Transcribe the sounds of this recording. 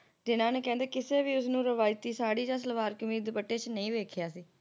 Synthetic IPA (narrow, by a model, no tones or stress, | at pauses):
d͡ʒɪnãːneːkɛ̃ːnd̪eːkɪseːʋiːʊsnũːɾəʋaːɪt̪iːsaːɽiːd͡ʒãːs̬əlʋaːɾkɪʊmiːd̪pəʈːeːt͡ʃnəĩːʋeːkʰjaːsiː